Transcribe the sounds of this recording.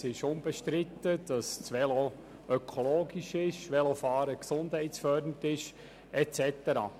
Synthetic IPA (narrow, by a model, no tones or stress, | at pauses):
sɪʃʊmbɛʃtɾɪt̪ːəd̥ɑst͡sʋɛlo | œkʰoloːɡiʃɪʃʋɛlofɑːɾəksʊnd̥hɛɪtsfœɾdən̩tɪʃ | ɛt͡sɛt̪əɾɑ̰ː